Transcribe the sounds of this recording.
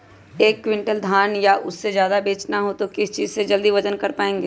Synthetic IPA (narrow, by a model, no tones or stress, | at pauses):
eːkːwɪ̃ɳʈəld̪ʱaːnjaʔʊsːezjaːd̪abeːt͡ʃnaɦot̪okɪst͡ʃiːzsed͡ʒɐld̪iʋɐd͡ʒənkɐɾpaːẽːŋɡeː